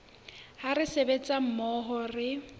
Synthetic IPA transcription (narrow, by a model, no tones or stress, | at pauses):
harɪsebet͡sʼam̩mɔɦɔrɪ